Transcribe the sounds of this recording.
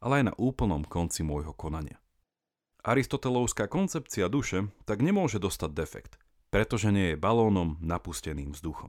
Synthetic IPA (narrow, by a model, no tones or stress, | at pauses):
ʔalɛajna̰ʔuːpl̩nɔmkɔnt͡simʊɔjɦɔkɔnaɲɪa̰ | ʔaɾist̪ɔt̪ɛlɔʊskaːkɔnt͡sɛp̚t͡siad̪uʃɛt̪aɡɲɛmʊɔʒɛd̪ɔst̪aɟd̪ɛfɛ̰kt̪ | pɾɛt̪ɔʒɛɲɪɛjɛbalɔːnɔmnapuscɛniːmvzd̪uxɔm